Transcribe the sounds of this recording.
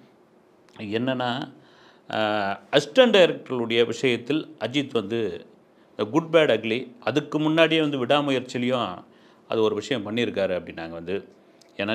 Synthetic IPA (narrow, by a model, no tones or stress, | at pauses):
ɛnːɐnːaː | ɐsʈɐɳɖɐjɾɛk̚ʈɐɭɯɽɐjɐʋɪʂɐjɐt̪ːɪlɐd͡ʒit̪ːʋɐnd̪ɯ | ɡʊɖ̚beːɽɐɡɭiʔɐðɯkːɯmʊnːaːɽɪjeːʋɐnd̪ɯʋɪɽaːmʊjɐɾt͡ʃːɪlɐjʊ̃ | ɐ̰ðɯɔɾɯʋɪʂɐjɐ̃mpɐɳːɪɾɯkːaːɾɯɐpːɐɽɪnnaːŋɡɐʋɐnd̪ɯ | eːnːaː